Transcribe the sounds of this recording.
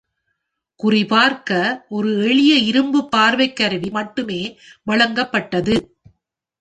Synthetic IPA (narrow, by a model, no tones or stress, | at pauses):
kʊrɪpaːɾkɐʔɔɾɯɛɭɪjɐɪɾɯmbɯpːaːɾʋɐɪkːɐɾɯʋimɐʈːɯmeːʋɐɭɐŋɡɐpːɐʈːɐðɯ